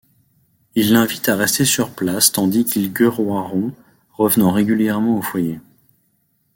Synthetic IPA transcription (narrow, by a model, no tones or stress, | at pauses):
ilːɛ̃vit̪aʁɛst̪esyʁplast̪ɑ̃d̪ikʰʲilɡʲøʁwaʁɔ̃ | ʁəvnɑ̃ʁeɡʲyljɛʁmɑ̃ofwaje